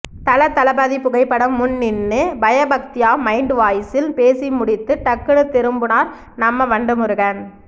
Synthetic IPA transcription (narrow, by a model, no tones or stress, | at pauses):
t̪ɐlɐt̪ːɐlɐbɐðipːʊɣɐɪpːɐɽɐmːʊnːɪnːɯbɐjɐbɐk̚t̪ɪjaːmɐɪɳɖʋaːjɪsɪlpeːsimʊɽɪt̪ːɯʈɐkːɯɽɯt̪ːɛɾɯmbɯnaːɾ | nɐmːɐʋɐɳɖɯmɯɾɯɣɐn